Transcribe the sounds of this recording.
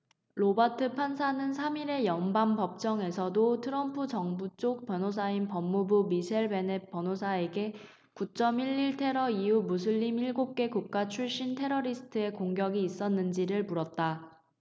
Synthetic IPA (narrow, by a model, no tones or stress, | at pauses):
ɾobatʰɯpʰansʰanɯnsʰamiɾe̞jʌnbampʌp̚t͡ɕ͈ʌŋe̞sʰʌdotʰɯɾʌmpʰud͡ʑʌŋbut͡ɕ͈ok̚pjʌnos̬ʰainpʌmːubumiɕʰeɭbe̞nep͈ʌnɦosʰae̞ɡe̞ | kut͡ɕ͈ʌmiɭːiɭtʰe̞ɾʌiumus̬ʰɯʎːimiɭɡop̚k͈e̞kuk̚k͈at͡ɕʰuɭɕ͈intʰe̞ɾʌɾisʰɯ̥tʰɯe̞koŋɡjʌɡiːs͈ʌnːɯnd͡ʑiɾɯɭpuɾʌt̚t͈a